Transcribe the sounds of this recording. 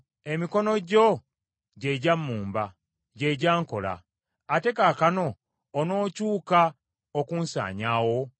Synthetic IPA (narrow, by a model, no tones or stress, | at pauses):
e̞miko̞no̞ɟo | ɟe̞ɟamːuːmba | ɟe̞ɟaːŋko̞̰la̰ː | te̞kakano̞ː | no̞ːcuːka | okuːnsa̰ːɲaːwo̞